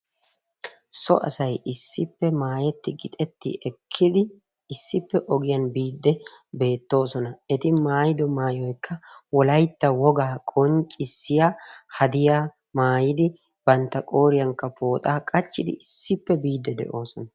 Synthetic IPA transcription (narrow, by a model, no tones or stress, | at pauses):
sɔ̰ʔɐ̰sɐjʔɪsːɪpːɛmaːjɛt̪ːɪɡɪt̪ʼɛt̪ːɪ̰ʔɛkʰːɪd̪ɪ | ɪsːɪpːɛʔɔɡɪjɐnbiːd̪ːɛ | be̞ːt̪ːo̞ːsɔnɐɛt̪ɪmaːjɪd̪ɔmaːjɔjkʰːɐwɔlɐjt̪ːɐwɔɡaːkʼɔnt͡ʃʼɪsːɪjaːhɐd̪ɪjaː | maːjɪd̪ɪ | b̥ɐnt̪ːɐkʼo̞ːɾɪjɐŋkːɐpo̞ːt̪ʼaːkʼɐt͡ʃːɪd̪ɪ̰ʔɪsːɪpːɛbiːd̪ːɛd̪ɛ̰ʔo̞ːsɔnɐ